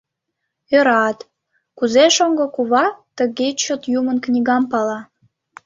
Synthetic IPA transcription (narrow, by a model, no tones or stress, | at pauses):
øɾɑt̪ | kuzeʃoŋɡŏkuβɑt̪əɣet͡ɕot̪jumənknʲiɣɑmpɑlɑ